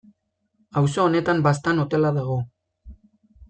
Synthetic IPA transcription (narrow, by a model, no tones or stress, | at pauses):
awsoːne̞t̪ambast̪ano̞t̪e̞laðaɣ̞o̞